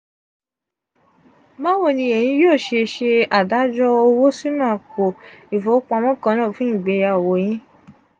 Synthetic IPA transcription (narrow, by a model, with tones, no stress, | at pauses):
mã˦wo˦˨nĩ˧e˨jĩ˧˦joː˦˨ʃe˧ʃe˧a˨da˨˦d͡ʒɔ˧o˧wo˦si˦nã˦a˨ko˨i˨fo˨˦k͡pa˧mɔ̃˦kã˧nã˦˨fũ˦ĩ˦˨ɡ͡be˨˧˦ja˧˨wo˨˦j̃ĩ˦